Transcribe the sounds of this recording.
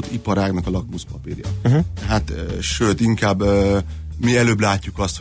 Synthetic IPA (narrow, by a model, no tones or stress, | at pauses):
ot̪ipɒɾaːknɒkɒlɒkmuspɒpiɾjɒ̰t̪ɛɦat̪ːʃøːt̪iŋkaːbːøː | miɛløːblaːcːukɒst̪h